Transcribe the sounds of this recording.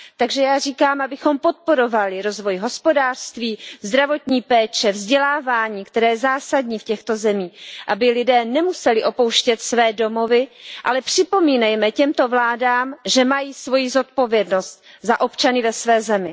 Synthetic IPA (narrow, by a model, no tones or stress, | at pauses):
t̪aɡʒɛjaːriːkaːmʔabɪxo̞mpo̞t̪̚po̞ɾo̞valɪɾo̞zvo̞jɦo̞spo̞daːr̥st̪viːzd̪ɾavo̞t̪ɲiːpɛːt͡ʃɛvzɟɛlaːvaːɲiːkt̪ɛɾɛːjɛzaːsadɲiːfcɛxt̪o̞zɛmiːʔabɪlɪdɛːnɛmusɛlɪʔo̞po̞wʃcɛt̪svɛːdo̞mo̞vɪʔalɛpr̥ɪpo̞miːnɛjmɛcɛmt̪o̞vlaːdaːmʒɛmajiːsvo̞jizo̞t̪̚po̞vjɛdno̞st̪̚ | zaʔo̞pt͡ʃanɪvɛsvɛːzɛmɪ